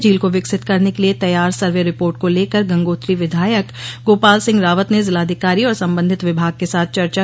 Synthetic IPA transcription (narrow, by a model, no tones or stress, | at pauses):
d͡ʒiːlkoʋɪksɪt̪kɐɾnekeliet̪ɐjːaːɾsɐɾʋeɾɪpoːɾʈ̚koleːkəɾɡɐ̃ŋɡoːt̪ɾiʋɪd̪ʱaːjək | ɡoːpaːlsɪ̃ŋɡɾaːʋət̪nezɪlaːd̪ʱɪkaːɾiɔːɾsɐ̃mbə̃nd̪ʱɪt̪ʋɪbʱaːɡ̚kesaːt̪̚ʰt͡ʃɐɾt͡ʃa